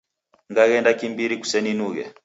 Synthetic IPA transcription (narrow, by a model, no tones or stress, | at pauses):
ŋɡaɣɛndakimbiɾiku̥sɛninuɣɛ̰